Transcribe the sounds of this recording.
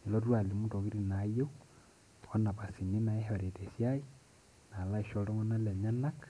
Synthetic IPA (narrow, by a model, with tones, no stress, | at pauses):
i˨lo˦twa˨li˨mu˦to˨ki˦ɾi˦na˨je˦u˦ | ɔ˦na˨pa˨si˨ni˦na˨e˦ɦa˨ɾe˨te˨sja˦i˦ | na˨la˦i˨ʃo˨lɔ˦ŋɔ˦na˦lɛ˨ɲa˦na˦k